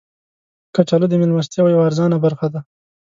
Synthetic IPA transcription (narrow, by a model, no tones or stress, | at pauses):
kat͡ʃalod̪əmɪlmast̪jɑwjawaɾzɑnabaɾxad̪a